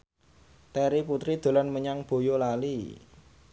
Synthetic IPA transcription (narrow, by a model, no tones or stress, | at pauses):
t̪ɛɾiput̪ɾid̪̥o̤lanməɲaŋb̥o̤jolali